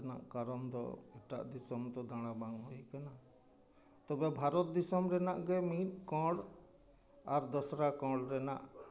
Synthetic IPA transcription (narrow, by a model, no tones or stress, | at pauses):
na̰ʔkaɾɔnd̪ɔ̰ɛʈa̰ʔd̪isɔmd̪ɔd̪aɽ̃abaŋɦɔjkana | t̪ɔbɛbʱaɾɔt̪̚d̪isɔmɾɛnaʔɡɛmit̪̚ˀkɔ̃ɽ | aɾd̪ɔsɾakɔ̃ɽɾɛna̰ʔ